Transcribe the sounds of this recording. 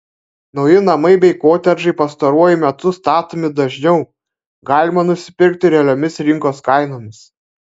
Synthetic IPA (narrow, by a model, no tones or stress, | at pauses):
nɒʊjɪnɐmɐɪbʲɛɪkoːt̪ʲɛɾʒɐɪpɐst̪ɐɾuɔjʊmʲɛt̪ʊst̪ɑːt̪oːmʲɪd̪ɐʒʲnʲɛʊ | ɡɑːlʲɪmɐnʊsʲɪ̥pʲɪɾʲk̚t̪ʲɪɾʲɛlʲoːmʲɪsɾʲɪŋkoːskɑˑɪnoːmʲɪs